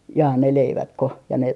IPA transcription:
jɑː ne leiʋɑtko jɑ ne

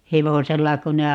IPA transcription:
heʋoselːɑ kun ne

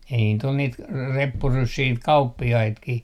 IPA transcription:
ei niːt ol niːt kɑ repːurysːiː niːt kɑupːiɑitkih

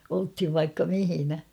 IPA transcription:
olthiʋ ʋɑikːɑ mihinæ

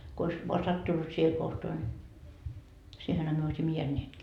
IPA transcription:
ko ois ʋoɑ sɑtːunːut siːhe kohtoɑ nʲi siːhenhæ myø oisimːɑ jeænːeːtkiː

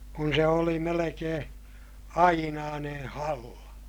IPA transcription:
kun se oli melekeː ɑinɑːnen̞ hɑlːɑ

